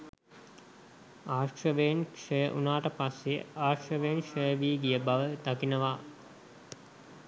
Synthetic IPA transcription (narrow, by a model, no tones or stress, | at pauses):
aːʂrəʋejnkʂəjəʔunaːʈəpasːeaːʂrəʋenʂəjəʋiːɡijəbaʋəd̪akinəʋa